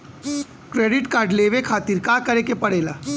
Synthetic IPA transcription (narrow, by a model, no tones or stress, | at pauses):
kɾeːɖɪʈkaːɾɖleːʋekʰaːt̪iːɾkaːkɐɾekepɐɽeːlaː